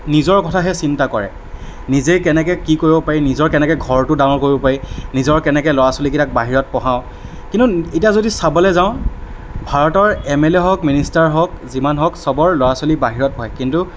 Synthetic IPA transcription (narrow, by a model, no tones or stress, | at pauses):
nizɔɹkɔtʰaɦɛsintakɔɹɛ̰ | nizekɛnɛkɛkikoɹibɔpaɹinizɔɹkɛnɛkɛɡʱɔɹtʊdãw̃ɔɹkoɹibɔpaɹinizɔɹkɛnɛkɛlɔɹasolik̬itak̚baɦiɹɔt̚pɔɦãʊ̃ | kintuetijazodisabɔlɛzaʊ̃ | bʱaɹɔtɔɹɛmɛleɦɔkministaɹɦɔkzimanɦɔksɔbɔɹlɔɹasolibaɦiɹɔt̚ɦɔjkintu